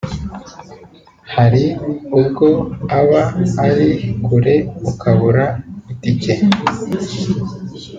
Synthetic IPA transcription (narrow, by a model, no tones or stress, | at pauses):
haɾiubɡo̞aβaːɾikuɾe̞ukʰaβuɾaitike